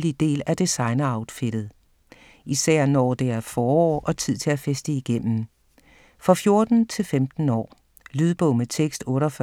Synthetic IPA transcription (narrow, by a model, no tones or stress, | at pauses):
lid̥e̝̰ːlæd̥isɑ̈ɪnɐɑ̈ʊd̥feɾ̥ð̞̩ˠ | isæɐ̰nɒːd̥e̝æɐfɒːɒ̰ːʔɒ̽t͡sʰið̰ˠt͡sʰe̝læfesd̥əiɡ̥em̰m̩ | fʁɑfjo̝ɐd̥n̩t͡sʰe̝lfemd̥n̩ɒ̰ː | lyːð̞ˠb̥ɔ̽ʊmət͡sʰeɡ̥sd̥ɔ̽ːɾɒf